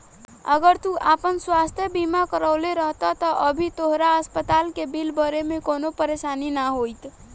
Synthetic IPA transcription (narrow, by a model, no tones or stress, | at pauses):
əɡəɾt̪uʔapənswast̪ʰjəbimakəɾəʊleɾəɦt̪ət̪əʔəbʱit̪oɦɾaəspət̪alkebilbəɾemekonopəɾesaninaɦojt̪